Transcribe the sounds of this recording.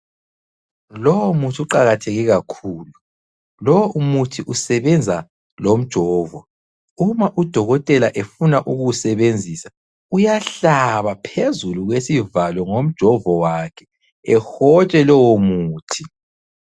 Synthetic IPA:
lɔwɔmutʰiuǃaɣatʰeɣiɣakʰuːlu | lɔwɔumutʰiʔusɛβɛnd͡zʱa | lom̩d̥ʒ̥ʱɔːvɔ | umaʔud̥ʱɔɣɔtʼɛlaʔefunaʔuɣusɛβend͡zʱisḁ | ujaɬaβapʰezuluɣwesivalɔŋom̩d̥ʒ̥ʱɔvɔwakʰɛ̥ | ɛxɔt͡ʃʼɛlɔwomuːtʰi

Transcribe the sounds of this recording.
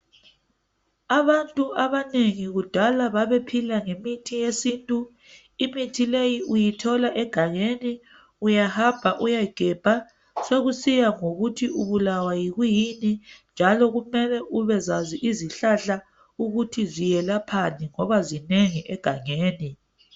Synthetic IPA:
aβantʼuaβaneŋiɣud̥ʱalaβaβepʰilaŋemitʰijesintʼu | imitʰilejiʔujitʰɔlaʔɛɡ̥ʱaŋeni | ujahab̥ʱaʔujajiɡ̥ʱɛb̥ʱa | soɣusijaŋoɣutʰiʔuβulawajiɣujinind͡ʒʱalɔɣumɛlɛʔuβɛzaziʔiziɬaɬa | uɣutʰizijɛlapʰaniŋɔβazineŋiʔɛɡ̥ʱaŋeːni

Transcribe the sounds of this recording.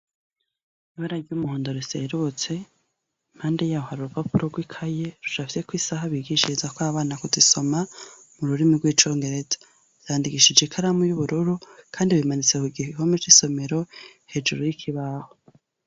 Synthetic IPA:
βaɾaɡumuhoːndoɾisḛɾut͡se̞ | imhaːnde̞jaːohaɾuɾupapuɾoɡwikʰajeɾut͡ʃafi̥sekwiːsaɦaβiɡiʃiizakwaβaːnakuziso̞ma | muɾuɾimiɡwiːt͡ʃo̞ːŋɡe̞ɾe̞zḁ | j̥aːndiɡiʃid͡ʒekʰaɾamujuβuɾuɾukʰaːndiβimanit͡sekuɡihiihomed͡ʒiso̞me̞ɾo̞he̞d͡ʒuɾojikʰiβaho

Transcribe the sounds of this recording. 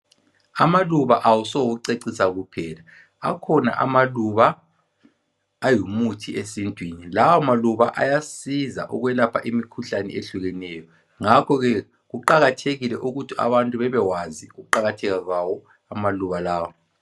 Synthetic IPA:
amaluβaʔawusɔɣuǀeǀisaɣupʰɛːla | a̰kʰɔna̰ʔa̰maluβa | jumutʰiesintʼwinilawamaluβaʔa̰jasiza̰ʔɔɣwɛlapʰaʔimikʰuɬanɛ̰eɬuɣɛnɛjɔ | ŋakʰɔɣɛ | ɣuǃaɣatʰeɣilɛʔuɣutʰia̰βantʼuβɛβɛwaziɣuǃaɣatʰɛɣaɣwawɔ | amaluβalaːwɔ

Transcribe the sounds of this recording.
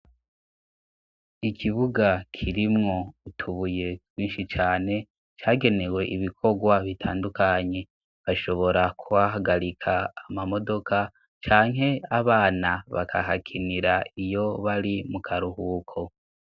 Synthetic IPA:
ikʰiβuɡakʰiɾimŋo̞utʰuβuje̞wiːnʃit͡ʃaːne̞ | t͡ʃaːɡe̞ne̞we̞ʔiβikʰo̞ɡwaβitʰa̰ːndukaɲe̞ | βaʃo̞βo̞ɾakʰuβaɦaɡaɾikʰaːmamo̞do̞kʰa | t͡ʃaːŋɦe̞aβaːnaβa̰kʰa̰hakʰiniɾaijo̞βaɾimukʰaɾuhuːkʰo̞

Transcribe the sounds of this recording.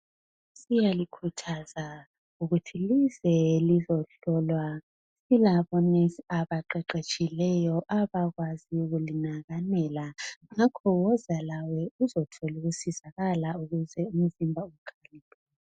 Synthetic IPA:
sijalikʰutʰaza | uɣutʰilizɛlizɔɬɔlwa | silaβɔneaβaǃɛǃet͡ʃʼilɛjɔʔaβaɣwaziuɣulinaɣanɛlaŋakʰɔwɔzalawɛuzɔtʰɔluɣusizaɣalauɣuzɛum̩zimbʱaukʰanipʰʼɛ

